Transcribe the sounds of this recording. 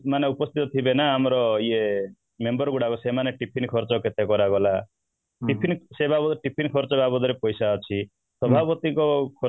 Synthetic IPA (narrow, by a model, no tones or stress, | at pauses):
maneupɔst̪ʰit̪ɔt̪ʰibenaːmɔɾɔie | membɔɾɔɡuɽakusemaneʈipʰinkʰɔɾt͡ʃɔket̪ekɔɾaɡɔla | ʈipʰinsebabɔʈipʰinkʰɔɾt͡ʃɔbabɔd̪ɔɾepɔjsaɔt͡ʃʰi | sɔbʱabɔt̪ikɔkʰɔ